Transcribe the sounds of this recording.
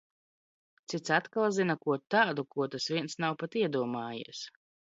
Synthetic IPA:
t̪sit̪sat̪kalˠzinakuɔt̪aːd̪ukuɔt̪asviɛnsnawpat̪iɛd̪uɔmaːjḭɛs

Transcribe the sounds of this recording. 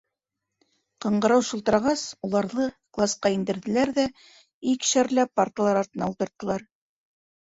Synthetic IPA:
qɤ̆ɴɢɤ̆ɾɑwʃɤ̆lˠt̪ɤ̆ɾɑʁɑsulˠɑɾðɤklˠɑsqɑind̪ɘ̆ɾðɘ̆læɾðæ | ikʃæɾlæppaɾt̪əlˠɑɾɑɾt̪ɤ̆nɑulˠt̪ɤ̆ɾt̪ːɤ̆lˠɑɾ

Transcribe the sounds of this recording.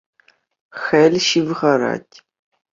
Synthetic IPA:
xɐlʃɪvʁɐɾa̰ːtʰ

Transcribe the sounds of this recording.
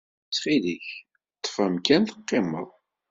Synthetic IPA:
t͡sχiðiç | t̪ˤːə̥fæmkænθə̥qːɪmə̰ðˤ

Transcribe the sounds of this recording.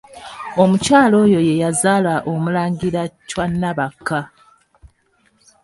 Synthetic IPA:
o̞mucaːlo̞ːjo̞je̞jazaːlaʔomulaːŋɡiɾacwanːaβakʰːa

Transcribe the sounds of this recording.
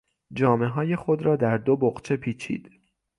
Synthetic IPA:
d͡ʒɒːme̞ɦɒːje̞xo̞d̪ɾɒːd̪æɾd̪o̞boɣt͡ʃʰe̞pʰiːt͡ʃʰḭːd̪̥

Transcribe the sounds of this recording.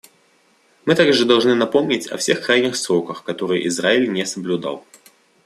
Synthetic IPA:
mɨt̪aɡʐɨd̪ɐlˠʐnɨnɐpo̞mnʲɪtʲɐ̰fsʲe̞xkɾajnʲɪxsɾo̞kəxkɐt̪o̞ɾɨj̰ʔɪzɾaɪlʲnʲesəblʲʊd̪ɑ̰lˠ

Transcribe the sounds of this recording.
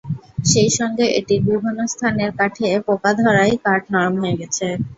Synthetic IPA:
ʃejʃɔŋɡeʔḛʈiɾbibʱinːost̪ʰaneɾkaʈʰepokad̪ʱɔɾajkaʈnɔɾmɦoeɡɛt͡ɕʰe

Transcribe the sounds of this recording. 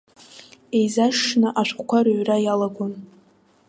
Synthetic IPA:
ejzaʂnaʔaʃʷkʷʰʼkʷʰaɾɥrajalaɡʷon

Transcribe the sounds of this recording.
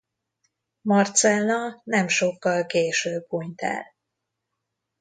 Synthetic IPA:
mɒrt̪sɛlnɒnɛmʃo̞kːɒlkeːʃøːbuɲt̪ɛ̰l

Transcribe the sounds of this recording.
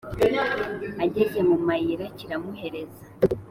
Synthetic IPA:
aɟeɟe̞mumajiɾaciɾamuhe̞ɾe̞zḁ

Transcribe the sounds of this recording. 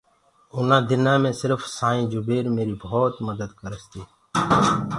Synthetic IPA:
ʊnãːd̪ɪnãːmẽːsɪɾfsaːĩːd͡ʒʊbeːɾmeːɾiːboːt̪məd̪əd̪kəɾəst̪iː

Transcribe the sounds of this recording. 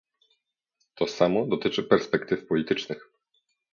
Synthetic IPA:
t̪ɔsamɔd̪ɔt̪ɘt͡ʂɘpɛɾspɛkt̪ɘfpɔlʲit̪ɘt͡ʂnɘx

